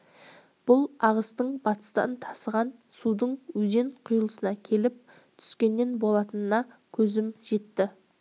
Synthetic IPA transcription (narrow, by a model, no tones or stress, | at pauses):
b̥ʊlˠɑʁəst̪əɴbɑt̪ə̥st̪ɑ̰nt̪ʰɑ̥səʁɑnsud̪əɴwɵze̞ɴqʰʊjəlˠəsənɑkʲʰe̞lɪp̚ | t̪ʰʏ̥skʲe̞nːe̞nbo̞lˠɑt̪ənənɑ | kʲʰɵzɪmʒe̞t̪ːɪ